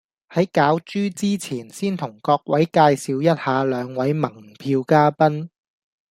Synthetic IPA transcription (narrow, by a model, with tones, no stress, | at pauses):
hɐ˨˥jkaː˨˥wt͡ʃyː˥t͡siː˥t͡sʰiː˨˩nsiː˥nt̪ʰʊ˨˩ŋkɔː˧k̚wɐ˨˥jkaː˧jsiː˨˧wjɐ˥t̚haː˨˧lœː˨˧ŋwɐ˨˥jmɐ˨˩ŋpʰiː˧wkaː˥pɐ˥n